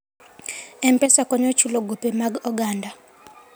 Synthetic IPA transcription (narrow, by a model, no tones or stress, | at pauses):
ɛmpʼɛsakɔɲɔt͡ʃʰulɔɡupʼɛmaɡɔɡaːnda